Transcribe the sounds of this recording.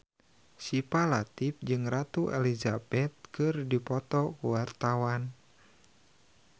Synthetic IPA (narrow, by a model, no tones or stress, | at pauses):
sipalat̪if̚d͡ʒɨŋrat̪uʔelizabɛt̪̚kɨrdipɔt̪ɔkuwart̪awan